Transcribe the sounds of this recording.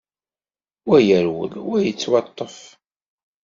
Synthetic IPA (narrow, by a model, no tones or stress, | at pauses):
wæjəɾwə̰lwæjət͡sːwɑt̪ˤːəf